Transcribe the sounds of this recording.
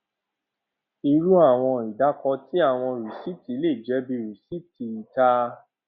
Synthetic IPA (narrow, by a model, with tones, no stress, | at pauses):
i˧ɾu˦a˦˨w̃ɔ̃˧i˨da˨˦kɔ˧ti˦a˦˨w̃ɔ̃˧˨ɾu˨si˦ti˨˦le˦˨d͡ʒɛ˨˦bi˧ɾu˨si˦ti˧˨i˨ta˧˦